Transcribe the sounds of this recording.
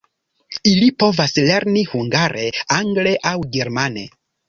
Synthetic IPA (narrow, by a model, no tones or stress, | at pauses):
ilipo̞vasle̞ɾnihuŋɡaɾʔe̞aŋɡle̞ʔawɡeɾmane̞̰